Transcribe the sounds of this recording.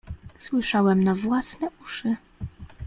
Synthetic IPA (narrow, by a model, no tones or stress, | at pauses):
swɘʂawɛmnavwasnɛʔuʂɘ